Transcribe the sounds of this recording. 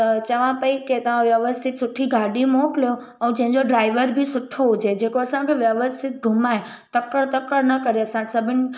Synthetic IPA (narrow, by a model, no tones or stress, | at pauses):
t͡ʃəʋãpəiket̪əãʋjəʋəst̪ʰit̪suʈʰːiɡaɖimoklo | əũd͡ʒẽd͡ʒoɖɾajʋəɾbʱisʊʈʰːoũt͡ʃʰed͡ʒekosãkeʋjəʋəst̪ʰit̪̚bʱumaj | t̪əkːəɽt̪əkːəɾnəkəɾesãʈsəbən